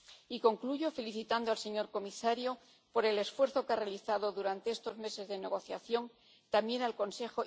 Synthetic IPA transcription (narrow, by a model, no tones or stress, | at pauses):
iko̞ŋkluʝo̞fe̞liθit̪and̪oalse̞ɲo̞ɾko̞misaɾjo̞ | po̞ɾe̞le̞sfwe̞ɾθo̞kearealiθaðo̞ðuɾant̪e̞est̪o̞zme̞se̞zðe̞ne̞ɣ̞o̞θja̰θjo̞ŋ | t̪ambje̞nalko̞nse̞xo